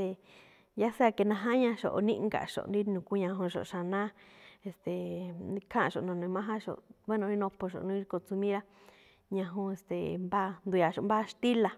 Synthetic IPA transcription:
e˧ | ja˦se˦a˧ke˧nã˧ɦã˦ɲã˧ʃo̰˨ʔo˧nĩ˦˧ŋɡa̰˨ʃo̰˨˧nɾi˦nũ˨ku˦ɲã˧ɦũ˧ʃo̰˨˧ʃa˨nã˦e˨st̪e˨i˦˧kʰã˦˧ʃo̰˨nõ˨˧nũ˧˦mã˦ɦã˦ʃo̰˨βe˦nõ˧i˦nõ˧po˧ʃo̰˨nũ˦i˧ko˧t͡su˧mĩ˦ɾa˦ | ɲã˧ɦũ˧e˨st̪e˨mba˦˧nd̪u˨˧ja˨ʃo˨mba˦˧ʃt̪i˦la˧

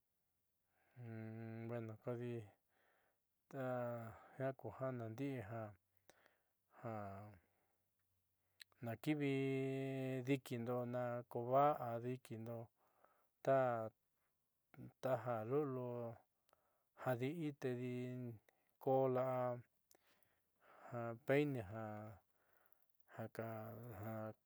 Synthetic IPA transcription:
βe˧nũ˨ko˧ði˧ | t̪a˦hã˦ku˨hã˦nã˨nd̪i˦ʔɦã˧ | hã˧ | nã˨ki˦βi˧ | ði˧ki˧nd̪o˧nã˧ko˧βa˦ʔa˧ði˧ki˧nd̪o˧ | t̪a˦ | t̪a˧ɦa˧lu˦ʔlu˧ | ha˧ði˧ʔi˦t̪e˧ði˧ | ko˦la˧ʔa˧ | hã˧pe˦nẽ˧ɦã˧ | ha˧ka˧hã˧

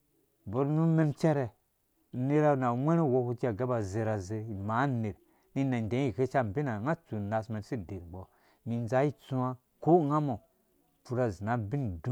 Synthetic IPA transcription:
bo˨ɾnu˦me˦mt͡ʃɛ˦ɾɛ˨ | ne˦ɾa˦˨na˨ŋʷe˦ɾe˦wo˦˧ku˦d͡ʒi˦a˨ɡa˦ba˨ze˨ɾa˨ze˨ma˨˦ne˨ɾ | ni˦na˨n˨dẽ˨˦i˨ke˦t͡ʃa˦m˨bi˦na˨ŋa˦t͡su˨na˨sme˨nsi˦˨de˨ɾɡ͡bɔ˨ | mi˨n˦za˦ji˦t͡su˦a˦ | ko˦ŋa˦mo˨ | pu˨ɾa˨zi˨na˨˦bi˦ndũ˦

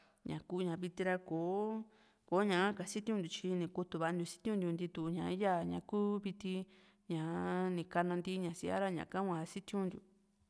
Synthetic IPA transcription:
ɲã̰˨ku˧ɲã˨βi˧t̪i˧ɾa˧koː˨˦ | ko˨˦ɲã˨a˦ka˨si˦t̪i˦ũ˧nd̪ʲu˨t͡ʃi˧nĩ˨˧ku˧t̪u˨˧βa˧d̪ʲu˧si̥˦t̪ʲũ˦nd̪u˧nd̪i˧t̪u˧˨˧ɲã˨i˦ja˦˨ɲã̰˧kuː˦βi˧t̪i˧ | ɲã˨nĩ˨ka˧nã˧nd̪i˦˧˦ɲã˨si˧a̰˦ɾa˦ɲã̰˨ka˦ŋʷã˧si˦t̪ĩ˦ũ˧nd̪ṵ˨

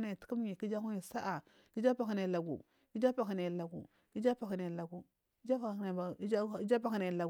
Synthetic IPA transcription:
na˨ti̥˨˦ku˦m˦ɲi˨ki˦d͡ʒa˦ku˦ni˨sa˦ʔa˨ | ki˦d͡ʒa˦pa˨ka˨na˨la˨ɡṵ˨ | ki˦d͡ʒa˦pa˨ki˨na˨la˨ɡṵ˨ | ki˦d͡ʒa˦pa˨ki˨na˨la˨ɡu˨˦ | d͡ʒa˦˨˦d͡ʒa˦pa˦ki˨na˨la˨ɡ

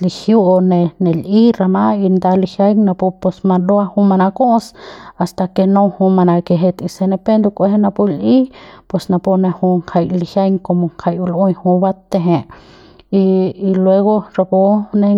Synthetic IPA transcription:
li˧hju˦˧ne˧ne˨li˦ɾa˧ma˦i˧nd̪a˧li˧hja˦jŋna˧pu˧pe˧sma˧d̪o˦a˦˧hu˦ma˧na˧ko˦sa˧st̪a˧ke˧nõ˦hu˧ma˧na˧ke˧ɦe˧t̪i˧se˧ne˧pe˦nd̪o˧kʷe˧he˦na˧pu˧li˦pwe˧˨sna˧po˧ne˧hu˧ŋkʰa˧jli˧hja˦jŋko˧mo˧ŋkʰa˧ju˧lo˦ɲhu˧ba˦t̪ːe˧ɦe˧ | iː˧lwe˧ɣo˦ɾa˧pu˧ne˧

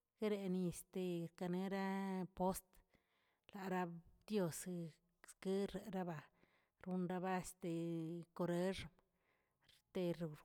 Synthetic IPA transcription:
ɡe˦ɾe˧ni˧st̪e˧ɾka˧ne˦ɾa˦po˦st̪ | la˨ɾa˦d̪jo˧s | ske˦ɾe˨ɾa˦ba˧ | ɾu˧nɾa˧ba˦˧st̪e˨ko˧ɾe˦ʐ | ɾt̪e˧ɾ

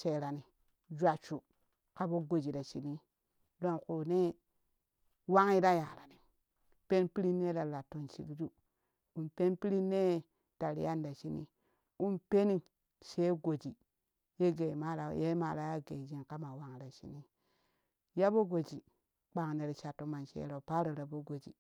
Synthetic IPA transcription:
t͡ʃe˨ɾa˨ni˨ | d͡ʒʷa˨t͡ʃu˨ | ka˦bo˦ɡo˨d͡ʒi˨ɾa˨t͡ʃi˨ni˦ | do˦ŋku˨ne˦ | wa˦ŋi˦ɾa˦ja˨ɾa˨ni˨ | pe˦npi˦ɾi˦nːe˦ɾa˨la˨to˨nt͡ʃḭ˨kd͡ʒu˦ | u˨mpe˦npi˦ɾi˦nːe˦ | ta˨ɾḭ˨ja˦nda˨ʃi˦nḭ˦ | u˦npe˦ni˦ | ʃe˦ɡo˨d͡ʒi˨ | je˦ɡe˨ma˦ɾa˨˦˨je˦ma˨ɾa˦ja˦ɡe˨d͡ʒi˦nka˦ma˨wa˦ŋ˨ɾa˨ʃḭ˨ni˦ | ja˦bo˦ɡo˨d͡ʒi˨ | k͡pa˨ŋ˨ne˨ɾt͡ʃa˨tːo˨ma˨nʃḛ˨˦ɾo˨pa˦ɾo˨ɾa˨bo˦ɡo˨d͡ʒḭ˨

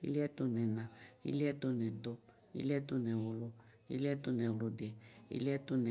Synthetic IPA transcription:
ḭ˦li˦ɛ˦to˧nɛ̃˨nã˨ḭ˦li˦ɛ˦to˧nɛ̃˨do˧ | ḭ˦lɛ˦to˧nɛ̃˨o˨lo˧ | ḭ˦li˦ɛ˦to˧nɛ̃˨lo˧de˨ḭ˦li˦ɛ˦to˧nɛ˨

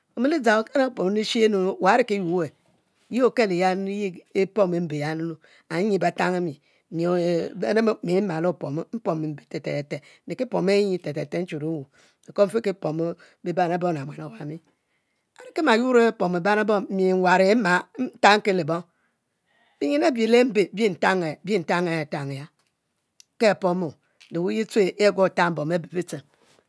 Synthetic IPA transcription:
o˨mi˦li˦d͡za˨o˨ka˦na˦po˨m˦ni˦ʃi˦e˦no˨wa˨a˦ɾi˦ki˦ju˨˦e˨ | ji˦o˨ke˦˨le˨ja˦n˦ji˦e˦po˦me˨˦m̩˦be˨ja˦no˦nu˦ | a˨˦i˦˨ba˨ta˦ŋa˦mi˨ | mi˨˦ne˦mi˨˦ma˨lo˦˨po˨m˦m̩˦po˨m˨m̩˨be˨te˨tḛ˨e˨te˨˦e˨ki˦po˨m˦e˦i˨te˨te˨te˦n̩˦t͡ʃu˨ɾu˨˦wu˨ | e˨ko˦m̩˦fe˦ke˦po˨mo˦ | bi˦ba˦na˨˦bo˦˨na˨mʷ˨e˨no˨wa˨mi˦ | a˨ɾi˦ke˦ma˨ju˦ɾe˦po˨m˨ba˦na˦bo˦mi˨ŋ˨wa˨ɾe˨˦ma˨˦ta˦ŋ̩˦ke˦le˨bo˦ŋ | bi˦ɲi˦ne˦bi˨le˦m̩˦be˨˦bi˦n̩˨ta˦ŋe˨˦bi˦n̩˨ta˦ŋe˨ta˨ŋe˨ja˦ | ke˦a˨po˦mo˨ | de˨wu˦ji˦t͡se˦ʔe˦ɡʷo˦˨ta˦m̩˦bo˨me˦bi˨bi˦t͡se˨m

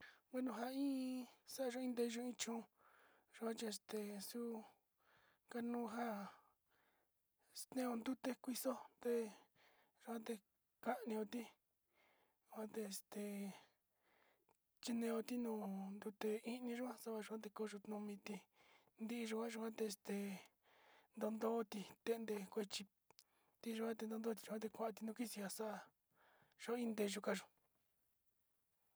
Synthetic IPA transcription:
we˦nũ˧ɦa˧ĩː˦sa˦a˧ʒõ˦ĩ˧nd̪e˧ʒũ˧˦ĩ˧t͡ʃũ˧ | ʒ̥u˧kʷã˦t͡ʃi˧e˧st̪e˨su˦ | ka˧nũː˦˧ɦa˦ | st̪ẽ˦˧o˧nd̪u˦t̪e˧kʷi˧so˦t̪e˦ | ʒu˧ã˦t̪e˧ | ka˦ʔnĩ˧o˧t̪i˦ | ʒʷã˦t̪e˧e˧st̪e˨ | t͡ʃi˧nẽ˧o˧t̪i˦nũː˧nd̪u˧t̪e˧i˦nĩ˧ʒu˦a˦sa˦βa˧u˧kʷã˦t̪̬e˧ko˧ʒu˧t̪nũ˧mĩ˧t̪i˧ | nd̪i˦ʔi˧ʒu˧ka˦ʒu˧kʷã˦t̪e˧e˧st̪e˧˨ | nd̪o˧nd̪o˦˧t̪i˧t̪e˧nd̪e˧kʷe˧t͡ʃi˧ | t̪i˧ʒu˧kʷa˦t̪e˧nd̪o˧nd̪o˦t̪̬i̥˧ʒu˧kã˦t̪̬e˧kʷã˧˨ʔã˧t̪i˧nũ˧ki˦si˧a˧sa˦ʔa˧ | ʒ̥o˧˦ĩ˦nd̪e˧ʒu˧ka˧ʒu˧

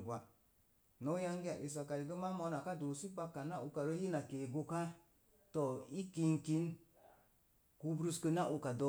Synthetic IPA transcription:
ɡʷa˨ | no˦ja˦ŋɡi˦a˨ʔi˨s̬a˨ka˨ji˨ɡə˦ma˦mɔ˧na˨ka˦do˨si˦pa˦kːa˨na˦u˧ka˨ɾo˦ji˦na˨keː˨ɡo˧ka˦ | tɔ˨i˦ki˧˦ŋki˦n | ku˧˦bɾu˦skə˧na˦ʔu˧ka˨dɔ˦

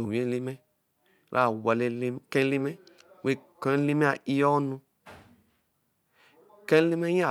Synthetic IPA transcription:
o˨wẽ˦li˦mɛ˦ | ɾʔa̰˦˨wa˨le˦li˦kɛ̃˦li˦mɛ̃˦ | we˨˦kɔ̃˨˦li˦mɛ̃˦a˨i˦jɔ˦nũ˧ | kɛ̃˦li˦mɛ˦ja˨

